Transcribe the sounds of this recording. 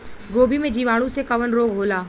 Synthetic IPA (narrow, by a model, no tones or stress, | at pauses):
ɡoːbʱimẽd͡ʒiːʋaːɽ̃ũsekɐʋənɾoːɡɦoːlaː